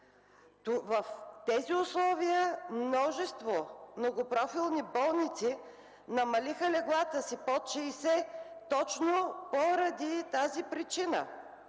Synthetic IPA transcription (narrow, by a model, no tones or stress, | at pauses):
vəft̪ɛziʊslˠɔviəmnɔʒɛst̪vomnoɡopɾɔfilˠnibɔlˠnit̪si | nɐmɐlixəlɛɡlˠat̪əsipɔt͡ʃɛisɛt̪ɔt͡ʃnopoɾɐd̪it̪azipɾit͡ʃinə̰